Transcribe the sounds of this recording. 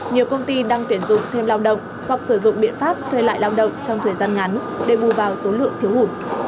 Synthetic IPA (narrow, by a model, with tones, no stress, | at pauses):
ɲi˨˩əwkə˧wŋ͡mt̪i˧ɗaː˧ŋt̪wi˧˩ənzʊ̰˧˨ŋ͡mt̪ʰe˧mlaː˧wɗə̰˧˨wŋ͡m | hwa˨˩k̚sɨ˧˩zʊ̰˧˨ŋ͡mɓḭ˧˨ənfaː˦˥p̚t̪ʰwe˧la̰ː˧˨jlaː˧wɗə̰˧˨wŋ͡mt͡ɕɔ˧wŋ͡mt̪ʰəː˨˩jzaː˧nŋa˨˦n | ɗe˧˩ɓu˨˩vaː˨˩wso˨˦lɨ̰˧˨əŋt̪ʰi˨˦əwhu˧˩